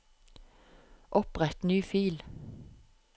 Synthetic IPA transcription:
ʔɔpʁɛt̪nyːfiːl

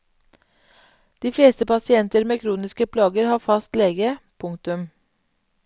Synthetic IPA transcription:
d̪̥iːfleːst̪əpɑsɪɛnt̪əɾmeːkʰɾuːnɪskəpʰlɑːɡəɾhɑːfɑst̪leːɡəpʰʊŋt̪ʉm

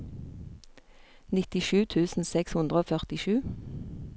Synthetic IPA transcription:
nɪt̪ɪʃʉːt̪ʰʉːsn̩sɛkshʉnd̪ʁəoːfœʁt̪ɪʃʉː

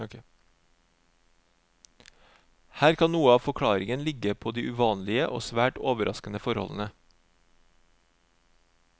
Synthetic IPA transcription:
hæːɾkʰɑnnuːəɑːʋfɔkʰɽɑːɾɪŋənlɪɡəpʰoːd̪iːʔʉʋɑːnlɪəʔo̰ːsʋæːʈoːʋəɾʔɑ̰skənəfɔɾhɔ̰ln̩ə

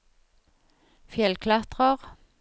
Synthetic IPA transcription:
fjɛlkʰlɑt̪ʁəʁ

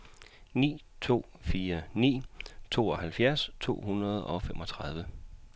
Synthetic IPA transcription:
nḭː | t͡sʰo̝̰ː | fiːɐnḭːt͡sʰo̝̰ːɒ̽ɦælfjæɐst͡sʰo̝̰ːɦunʁɐð̞ˠɒ̽femʔɒ̽t͡sʰʁɑð̞ˠʋə

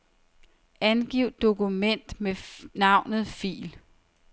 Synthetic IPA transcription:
ʔænɡ̥iʊ̰d̥̚ːo̝kʰumen̰d̥menɑ̈ʊ̰nð̩ˠfḭːl

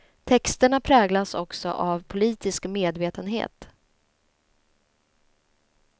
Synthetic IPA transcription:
t̪ʰɛkst̪əɳapʰɾɛːɡlasɔksɔ̰ʔavpʰʊliːt̪ɪskmeːd̪veːt̪ənɦḛːt̪

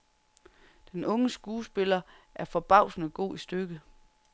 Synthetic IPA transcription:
d̥enɔ̽ŋəsɡ̥uːsb̥e̝lɐæɐfɒ̽b̥ɑ̈ʊ̰snəɡ̥o̝̰ːisd̥øɡ̥ə

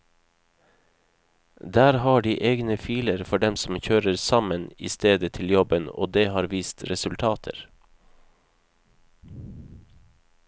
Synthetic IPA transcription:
d̪æːɾhɑːɖiːʔeːɡnəfiːləɾfɔɖɛmsm̩çøːɾəɾsɑmənḭːst̪eːd̪ət̪ʰɪljɔbəno̰ːd̪eːhɑːɾʋiːst̪ɾɛsʉlt̪ʰɑːt̪ʰə̰ɾ

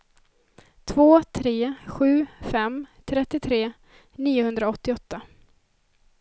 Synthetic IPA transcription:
t̪ʰvoːt̪ʰɾeːɧʉ̟ːfɛmt̪ʰɾɛt̪ːɪt̪ʰɾeː | niːʊhɵnd̪ɾaɔt̪ːɪɔt̪ʰːa

